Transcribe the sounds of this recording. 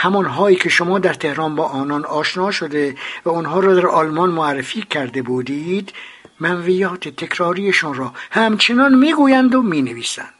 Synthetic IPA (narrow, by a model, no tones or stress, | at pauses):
hæmɒnɦɒːiːkʰe̞ʃomɒːd̪æɾt̪ʰe̞hɾɒːnbɒːʔɒːnɒːnɒːʃnɒːʃod̪evæonɦɒːɾɒːd̪æɾʔɒːlmɒnmoærːefiːkʰæɾd̪ebuːd̪id̪ | mænvijɒːt̪ʰet̪ʰe̞kʰɾɒːɾiːjeʃuːnɾɒːhæmt͡ʃʰenɒnmiːɡuːjænd̪omiːneviːsæ̰nd̪̥